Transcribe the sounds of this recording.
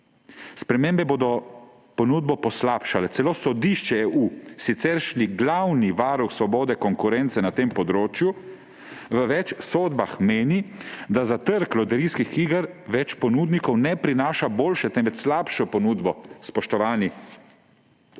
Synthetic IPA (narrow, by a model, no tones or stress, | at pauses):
spɾɛmeːmbɛboːd̪ɔ | pɔnuːd̪̚bɔpɔslaːpʃalɛtsɛloːsɔd̪iʃt͡ʃɛeuːsit̪sɛɾʃliɡlawniʋaːɾuxsʋɔboːd̪ɛkɔŋkuɾɛnt̪sɛnat̪empɔd̪ɾoːt͡ʃju | ʋəʋɛt͡ʃsoːd̪baxmeːnid̪azat̪əɾklɔd̪ɛɾiːskixiːɡəɾʋɛt͡ʃpɔnuːd̪nikɔwnɛpɾinaːʃaboːlʃɛt̪ɛnʋɛt̪slaːpʃɔpɔnuːd̪bɔspɔʃt̪ɔʋaːni